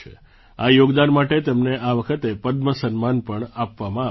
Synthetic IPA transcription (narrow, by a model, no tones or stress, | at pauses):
ḛ | ajoɡd̪anmaʈet̪əmneaʋəkʰət̪epəd̪məsənmanpəɳapʋamãa